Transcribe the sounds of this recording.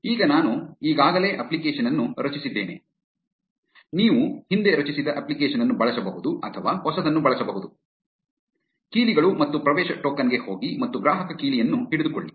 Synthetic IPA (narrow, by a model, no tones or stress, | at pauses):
iːɡɐnaːnuiːɡaːɡɐle̞ːʔɐplikeːʂɐnɐnːuɾɐt͡ʃisid̪ːe̞ːne̞̰ | niːʋuhind̪e̞ɾɐt͡ʃisid̪ɐʔɐplikeːʃɐnɐnːubɐɭɐsɐbɐɦud̪uɐt̪ʰɐʋaːhɔsɐd̪ɐnːubɐɭɐsɐbɐɦud̪u | kiːliɡɐɭumɐt̪ːupɾɐʋɛːʃɐʈoːkɐnɡe̞ho̞ːɡimɐt̪ːuɡɾaːɦɐkɐkiːlijɐnːuɦiɽid̪uko̰ɭːi